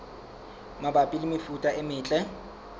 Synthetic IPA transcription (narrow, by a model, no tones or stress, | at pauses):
mabapʼilɪmɪfutʼaɪmɪːt͡ɬʼɛ